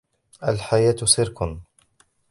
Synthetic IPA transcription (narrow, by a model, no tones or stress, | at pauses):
ʔalħajaːt̪sɪɾkʊn